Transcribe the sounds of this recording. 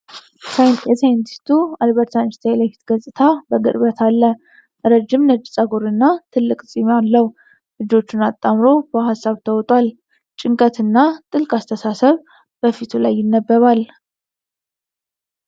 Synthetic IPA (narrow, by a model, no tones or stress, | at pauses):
sajjɛsajnt̪ʰi̥st̪ʰualβəɾt̪ʰanst̪ʰalafi̥t̪ɡəsʼɨt̪ʰabəɡɨɾβət̪ʰalːə | ɾəd͡ʒːɪmnəd͡ʒʼsʼaɡoɾɨnːat̪ʰɨlːɨkʼsʼimalːəwu | lɨd͡ʒo̞t͡ʃːɪnat̪ʼːamɾo̞b̥əɦasːaβt̪ʰəwɔt̪ʼwal | t͡ʃʼɪŋkʼət̪ɨnːat̪ʼɨlkʼast̪ʰəsasəβ | b̥əfit̪ʰulajːɪnːəbːəβal